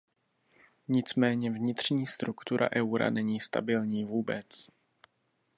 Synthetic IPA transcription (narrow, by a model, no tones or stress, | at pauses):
ɲɪt͡smɛːɲɛvɲɪt̪r̝̥ɲiːst̪ɾukt̪uɾʔa̰ʔɛwɾa̰nɛɲiːst̪a̰bɪlɲiːvuːbɛt͡s